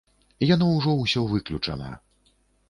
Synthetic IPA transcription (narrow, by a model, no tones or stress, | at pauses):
ijanɔwʐɔwsʲɔvɨklʲut͡ʂɐ̰nɐ̰